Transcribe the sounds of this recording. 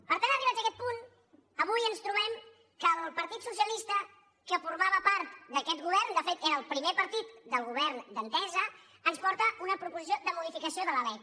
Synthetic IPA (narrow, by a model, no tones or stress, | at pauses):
pəɾt̪anəriβaəkɛt̪̚pun | əβujənst̪ɾuβɛm | kəlˠpəɾt̪it̪sus̬iəlist̪ə | kəfuɾmaβəpaɾt̪d̪əkɛt̪ɣuβɛrnd̪əfet̪eɾəːlˠpɾimepəɾt̪it̪d̪əlˠɣuβ̞ɛɾnd̪ənt̪ɛzəː | nspɔɾt̪əʔunəpɾupuzis̬od̪əmuð̞ifikəsioðələlɛt̪